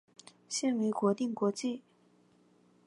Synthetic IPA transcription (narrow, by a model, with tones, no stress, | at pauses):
ɕɛ˥˩nwe˧˥ɪkwɔ˧˥t̪i˥˨ŋkwɔ˧˥t͡ɕi˥˩˨